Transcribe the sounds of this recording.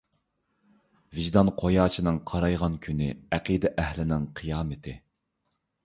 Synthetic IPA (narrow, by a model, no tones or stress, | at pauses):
vɪʒd̪ɑnqʰojɑːt͡ʃʰinɨŋqʰɑɾɑjʁɑnkʲʰynɪæqid̪ɛʔɛhlɪnɪŋqʰɨjɑːmɪt̪ʰɪ